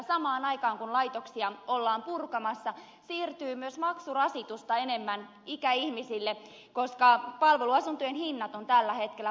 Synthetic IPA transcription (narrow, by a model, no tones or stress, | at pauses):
sɑmɑːnɑikɑːŋkunlɑit̪oksiɑolːɑːmpurkɑmɑsːɑ | siːrt̪yːmyøsmɑksurɑsit̪ust̪ɑenemːæn | ikæihmisilːe | koskɑpɑlʋeluɑsunt̪yjenhinːɑt̪ont̪ælːæhet̪kelːˑæ